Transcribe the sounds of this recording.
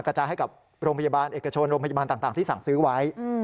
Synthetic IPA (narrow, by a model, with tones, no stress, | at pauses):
ŋkɾa˧t͡ɕaː˧ɦa˥˩jka˨˩p̚ | ɾoː˧ŋpʰa˧jaː˧baː˧nʔeː˨˩ka˧t͡ɕʰo˧nɾoː˧pʰa˧ja˧baː˧nt̪aː˨˩ŋt̪aː˨˩ŋt̪i˥˩sa˨˩˦ŋsɯː˦˥wa˦˥j